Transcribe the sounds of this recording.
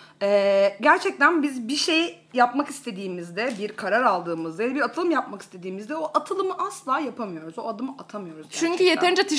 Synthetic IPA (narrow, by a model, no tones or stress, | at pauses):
ɛːɟæɾt͡ʃʰɛc̚t̪ʰænbizbiʃe̞j | japmakist̪ʰe̞d̪iːmizd̪ɛbiɾkʰaɾaɾalˠd̪ɯːmɯzd̪ajjɛbiɾat̪ʰɯlˠɯmjapmaki̥st̪ʰe̞d̪iːmizd̪ɛo̞ʔat̪ʰɯlˠɯmɯʔaslˠaːjapʰamɯjo̞ɾuzo̞ad̪ɯmɯʔat̪ʰamɯjo̞ɾuzɟt͡ʃʰyɲcʰyjet̪ɛɾnd͡ʒat̪ʰɯʃ